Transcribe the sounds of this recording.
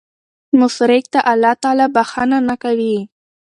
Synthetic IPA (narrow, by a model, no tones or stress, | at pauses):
mʊsɾɪk̚t̪aʔalːɑt̪ɑlɑbaxananakawi